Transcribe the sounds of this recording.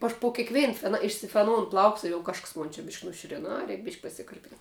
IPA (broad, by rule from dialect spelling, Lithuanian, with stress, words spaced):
ɐʃ poː kʲeːkˈʋʲeːn fʲɛn ɪʃʲsʲɪfʲɛˈnoːʊn ˈplˠɐʊks ɪr jɛʊ ˈkɐʃks ˈmoːn t͡ʃʲɛ bʲɪʃʲkʲ nʊˈʃʲʊrʲɛn ˈɐ ˈrʲɛɪk bʲɪʃʲkʲ pɐsʲɪkɐrʲˈpʲɪn